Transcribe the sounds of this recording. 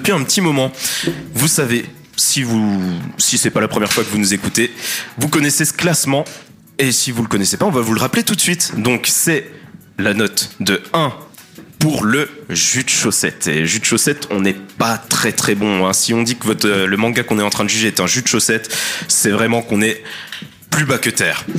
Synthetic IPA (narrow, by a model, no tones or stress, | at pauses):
d̪əpɥiɛ̃pət̪imɔmɑ̃vusave | sivusisɛpalapχəmjɛʁfwakəvunuzekut̪evukɔnɛsesə̥klasmɑ̃ | esivuləkɔnɛsepaɔ̃vavuləʁaplet̪ut̪sɥit̪d̪ɔ̃ksɛ | lanɔt̪d̪əɛ̃ | puʁləʒyd̪ʃosɛt̪eʒyd̪ʃosɛt̪ɔ̃nɛpat̪χɛt̪χɛbɔ̃ɛ̃siɔ̃d̪ikəvɔt̪χləmɑ̃ɡakɔ̃nɛtɑ̃t̪χɛ̃d̪əʒyʒeːt̪ɛ̃ʒyd̪ʃosɛt̪sɛvʁɛmɑ̃kɔ̃nɛ | plybakət̪ɛːʁ